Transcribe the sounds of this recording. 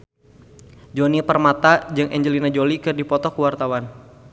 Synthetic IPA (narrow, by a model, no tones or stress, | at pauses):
d͡ʒonipərmat̪ad͡ʒɨŋʔɛɲd͡ʒəlinad͡ʒolikɨrdipɔt̪ɔkuwart̪awan